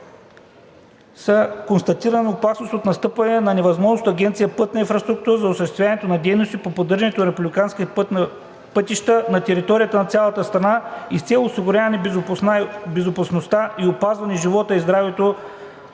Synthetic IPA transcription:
səkonst̪ɐt̪iɾəniopasnost̪ot̪nɐst̪ɤpɐnənɐnɛvɐzmɔʒnost̪ɐɡʲɛnt̪sijəpɤt̪̚nɐinfɾɐst̪ɾuk̚t̪uɾəzɐʊsəʃt̪ɛst̪vʲjanɛt̪onɐd̪ɛjnost̪ipopod̪ɤɾʒɐnɛt̪onɐɾɛpublʲikanski | pɤt̪iʃt̪ənɐt̪ɛɾit̪ɔɾijət̪ənɐt̪sʲalˠət̪əst̪ɾɐnaist̪sʲɛlˠʊsiɡʊɾʲavɐniabɛzopɐsnost̪aʔiopazvɐnɛʒivɔt̪əizd̪ɾavɛt̪o

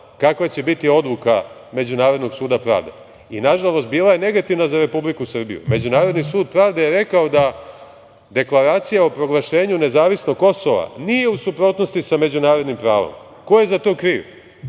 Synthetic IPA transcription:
kakʋat͡ɕe̞bit̪io̞d̪luka | me̞d͡ʑunaːɾod̪no̞ɡsuːd̪apɾa̰ːʋd̪ḛ | inaʒalˠo̞st̪̚biːlˠaje̞ne̞ɡat̪iʋnazaɾe̞publikusr̩bḭjṵme̞d͡ʑunaːɾod̪nisuːd̪̚pɾaːʋd̪ajeɾe̞kaod̪a | d̪e̞klˠaɾaːt̪sijaopɾo̞ɡlˠaʃe̞ːɲune̞zaːʋisno̞ɡ̚kːo̞soʋa̰nije̞usupɾo̞t̪no̞st̪isame̞d͡ʑunaːɾo̞d̪nimpɾaːʋo̰m | ko̞je̞zat̪o̞ːkɾiːʋ

